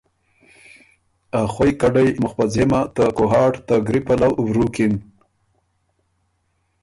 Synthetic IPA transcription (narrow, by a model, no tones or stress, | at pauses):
axwojkaɖajmʊxpazemat̪akoɦɑːʈt̪aɡɾipalawwɾukin